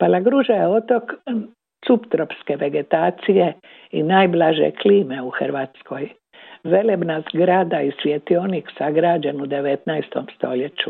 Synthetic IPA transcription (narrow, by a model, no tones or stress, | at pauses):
palaɡɾuʒajeo̞t̪o̞k̪ | supt̪ɾo̞pske̞ʋe̞ɡe̞t̪aːt̪sije̞ | inaːjblaʒḛkliːme̞uxrʋaːt̪sko̞j | ʋe̞lebnazɡɾad̪aisʋjet̪ioniksaɡɾaːd͡ʒe̞nud̪e̞ʋet̪najst̪omst̪o̞le̞t͡ɕu